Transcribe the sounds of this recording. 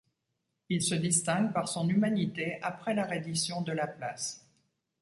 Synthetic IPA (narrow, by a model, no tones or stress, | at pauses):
ilsəd̪ist̪ɛ̃ɡpaʁsɔ̃nymanit̪eapχɛlaʁed̪isjɔ̃d̪əlaplas